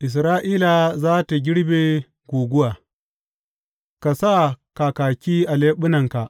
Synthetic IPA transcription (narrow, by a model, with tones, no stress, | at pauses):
ʔɪ˨s̬ɾaː˦ʔiː˦la˨zaː˦ta˨ɡʲɪ˦ɽbe˨ | ɡʷuː˨ɡʷʊ˦waː˨ | ka˨sa˦kaː˨kaː˨kʲiː˦ʔa˨leː˦ɓʊ˦nɐ˨ŋka˨ʔ